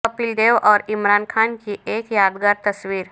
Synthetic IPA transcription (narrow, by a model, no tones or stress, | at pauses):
əpild̪eʋɔːɾimɾankʰankiekjad̪ɡaɾt̪əsʋiːɾ